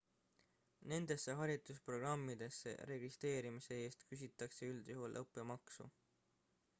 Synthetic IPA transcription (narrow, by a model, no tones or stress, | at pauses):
ne̞nd̪̥e̞sːeɦɑɾit̪ˑuspro̞ɡ̥rɑmːid̪̥e̞sːḛɾe̞ɡist̪ɾe̞ːɾimise̞e̞ːst̪kys̬ʲit̪ːˑɑkse̞yld̪̥juɦulʔɤpːˑe̞mɑksṵ